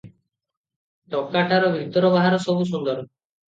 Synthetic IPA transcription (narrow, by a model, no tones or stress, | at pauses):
ʈɔkːaʈaɾɔbʱit̪ɔɾɔbaɦaɾɔsɔbus̬und̪ɔɾɔ